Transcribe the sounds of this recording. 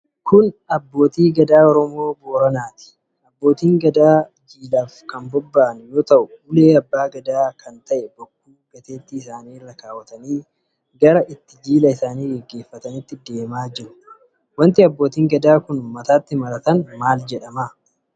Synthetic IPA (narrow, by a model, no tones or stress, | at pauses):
kʊnɐbːo̞ːt̪iːɡɐd̪aːɔɾɔmo̞ːboːɾɐnaːt̪ɪ̥ | ɐbːo̞ːt̪iːŋɡɐd̪aː | d͡ʒiːlaːfkɐnbɔbːaʔɐnjo̞ːt̪ɐʔʊʊle̞ːɐbːaːɡɐd̪aːkɐnt̪ɐʔɛbɔkːuːɡɐt̪e̞ːt̪ːɪːsaːniːɪrːɐkaːwɐt̪ɐniː | ɡɐɾɐʔɪt̪ːɪd͡ʒiːlɐɪsaːniːɡɛɡːe̞ːfːɐt̪ɐnɪt̪ːɪd̪e̞ːmaːd͡ʒɪɾʊ̥ | wɐnt̪ɪɐbːo̞ːt̪iːŋɡɐd̪aːkʊnmɐt̪aːt̪ːɪmɐɾɐt̪ɐnmaːld͡ʒɛᶑɐma